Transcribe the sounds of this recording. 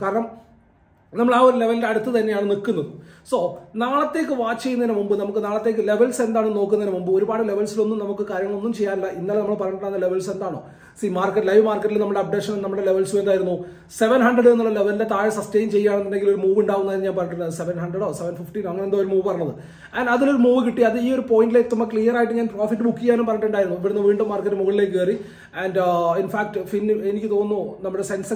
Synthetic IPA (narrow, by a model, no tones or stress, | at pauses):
kaːɾɐɳɐm | nɐmːɐɭaːo̞ɾule̞ʋɐlildeɐɽut̪ːɨt̪ɐnːe̞jaːɳɨnikːunːɐðɨsoːnaːɭɐt̪ːe̞ːk̬ːɨʋaːt͡ɕːejːunːɐinɐmumbɨnɐmukːɨnaːɭɐt̪ːe̞ːk̬ːɨle̞ʋɐlse̞nd̪aːɳɨno̞ːkːunːɐðinɐmumbɨoɾubaːɽɨle̞ʋɐlsilo̞nːumnɐmukːɨkaːɾjɐŋːɐɭo̞nːumt͡ɕejːaːnɐlːɐʔinːaːlnɐmːɐɭpɐrɐɖɽaːnːɐle̞ʋɐlse̞nd̪aːɳo̞ː | simaːrkːɐʈːlɐjʋmaːrkːɐʈːilnɐmːɨɽeɐb̚ɖekʂɐnnnɐmːɨɽe̞le̞ʋɐlsuend̪aːjiɾunːu | se̞ʋɐnɦɐɳɖrɐɽenːuɭːɐle̞ʋɐlilde̞t̪aːjɐsɐste̞jnt͡ɕe̞jːaːɳenːinde̞ŋɡilo̞ɾumuːʋuɳɖaːʋunːɐðinːɨɲaːnpɐrɐʈːiɾnɐðɨse̞ʋɐnɦɐɳɖrɐɽoːse̞ʋɐnfifʈinɐŋːɐnend̪oːoɾumuːʋpɐrɐɲːɐðɨ | ɐnɖɐðilo̞ɾumuːʋɨkiʈːiɐðɨiːo̞ɾupo̞ːjindileːt̪ːɐmɐkɭijɐraːjiʈːɨɲaːnpro̞ːfitːɨbukːikʲjːaːnumpɐrɐɳɖɳɖaːjiɾunːupːɐɾunːɐʋiːɳɖumːaːrkːɐtːɨmuɣɐɭile̞ːkːkeːri | ændinfaːk̚ʈɨfinːenikʲːɨt̪o̞ːnːunɐmːuɽe̞se̞nsɐ